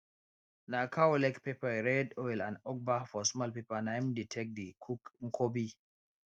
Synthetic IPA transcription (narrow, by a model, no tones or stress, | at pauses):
nakʰawɔlɛkpɛpaɾɛdɔwila̰nɔk̚bafɔsmalpipanajmditʰɛk̚dikʰukŋkʰobi